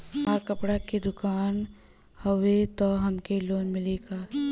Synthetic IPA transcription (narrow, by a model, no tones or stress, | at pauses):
ɦaːkəpɽaked̪ʊkaːn | hɐʋet̪ɔɦɐmkeloːnmɪleɡaː